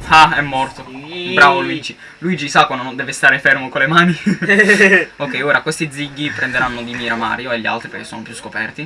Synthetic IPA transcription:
aɛmːɔrt̪obɾaːvoluid͡ʒi | luiːd͡ʒisakːwand̪onond̪ɛːvest̪aːɾefɛrmokolːemaːni | okːɛjoːɾakwest̪id̪ziɡːipɾɛnd̪eɾanːod̪imiːɾama̰ːɾjoeʎːia̰lt̪ɾipekesːonopɾuskopɛrt̪i

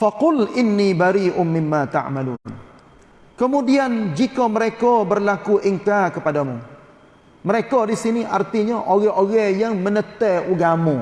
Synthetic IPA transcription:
faqʊlʔɪnːibaɾiːʔʊnmɪmːat̪a̰ʕmalṵ | kəmudiand͡ʒikɔməɾekɔbərlakuʔiŋkarkəpadamu | məɾekɔdisiniʔart̪iɲaʔoɣɛʔoɣɛjaŋmənət̪ɛuɡamu

